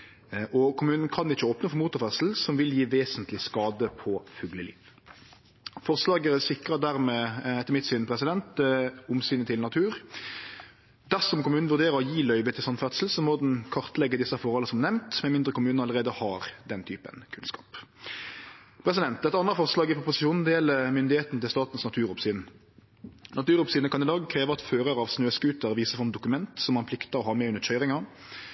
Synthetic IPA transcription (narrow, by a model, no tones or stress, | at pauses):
ʔɔkʰʊmʉːnn̩kʰɑnɪt͡ʃːəoːpnəfɔmuːt̪ʊɾfœt̪sl̩sɔmʋɪljiːʋeːsənt̪lɪskɑːd̪əpʰɔfʉɡləlḭːʋ | fɔʁslɑːɡəɛsɪkɾəd̪æʁmɛːɛt̪ːəɾmɪt̪ːsynpʰɾɛsɪd̪ɛnt̪ʊmsyːnət̪ʰɪlnɑt̪ʰʉːɾ | d̪æʁsɔmkʊmʉːnn̩ʋʉʁd̪eːɾəɾɔjiːlœʏʋət̪ʰɪlsɔnfœt̪sl̩sɔmɔːd̪ɛnkʰɑʁt̪lɛɡːəd̪ɪsːɑfɔɾhɔlːəsɔmnɛmnt̪mɛnmɪnd̪ʁəkʊmʉːnɑləʁeːd̪əhɑʁd̪ɛnt̪ʰyːpə̰nkʰʉnskɑ̰ːp | pʰɾɛs̬ɪd̪ɛnt̪ɛt̪ɑnəfɔʁslɑːɡəpʰɔpʊsɪʃuːn̩d̪ɛɛləmʏnd̪ɪheːt̪nət̪ɪlst̪ɑːt̪n̩snɑt̪ʰʉːɾʊpsyːn | nɑt̪ʉːʁʊpsiːnəkʰɑnd̪ɪd̪ɑːɡkʰʁeːʋəʁɑt̪føːʁəɾɑːʋsnøːskʉːt̪əʁʋiːsəfʁɑmd̪ʊkʉmɛnt̪sɔmːɑnpʰlɪkt̪əʁɔhɑːʁmeːʉndəçœʏʁɪŋɑ